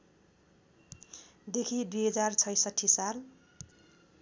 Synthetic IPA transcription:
d̪ekʰid̪ujɦʌd͡zart͡sʰʌjsʌʈʰisal

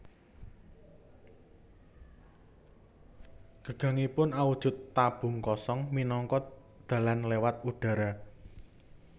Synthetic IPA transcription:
ɡ̥ə̤ɡ̥a̤ŋipʊnawud̥ʒ̥ʊ̤t̪ːab̥ʊ̤ŋkɔsɔŋminɔŋkɔ | d̪̥ä̤lanlewat̪̚uɖ̥a̤ɾa

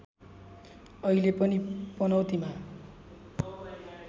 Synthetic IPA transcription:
ʌilepʌnipʌnʌwt̪ima

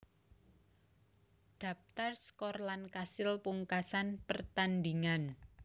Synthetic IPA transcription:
ɖ̪̥a̤p̚t̪arskɔrlankasɪlpuŋkasanpərt̪and̪iŋan

